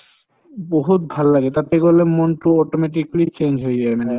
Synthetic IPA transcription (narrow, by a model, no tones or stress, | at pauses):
boɦut̪̚bʱalːaɡet̪at̪eɡolemonʈuɔʈomeʈ̬iklit͡ɕend͡ʑɦoeɡaemane